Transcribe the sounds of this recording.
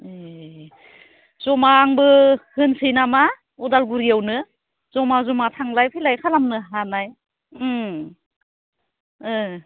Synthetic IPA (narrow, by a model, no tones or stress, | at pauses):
e | zɔmaːŋbɯhɯnsɯjnama | ɔdalɡuɾiawnɯ | z̥ɔmazɔmatʰaŋlajpʰilajkʰalamnɯɦanaj